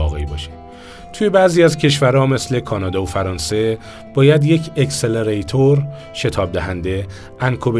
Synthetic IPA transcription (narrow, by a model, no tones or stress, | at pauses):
ɒːɣḛibɒːʃe̥ | t̪ʰuje̞bæːziːæzcʰe̞ʃvæɾɒːme̞sle̞kʰɒːnɒːd̪ɒofæɾɒːnse̞ | b̥ɒːjæd̪je̞cʰekseleɾejt̪ʰoɾ | ʃe̞t̪ʰɒːb̚d̪æɦænd̪e̞ | ʔænkʰobe